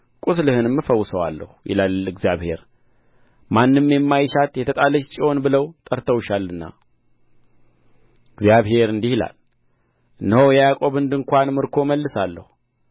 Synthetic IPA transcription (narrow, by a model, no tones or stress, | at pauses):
kʼuslɨhɨnɨmːɨfəwːʊsəwa̰lːə̰hujɪ̰lalɨɡzjaβhe̞ɾ | manːɨmjɛmːajʃat̪jɛt̪ʰət̪ʼaləʃt͡ʃʼio̞nbɨləwt̪ʼəɾt̪ʰəwʃalːɨnːa̰ | ɨɡzjaβhe̞ɾɨnd̪ihɪla̰l | ɨnːəhowjɛjakʼo̞βɨnd̪ɨŋkʷanmɨɾkʰo̞məlːɨsalːə̰hu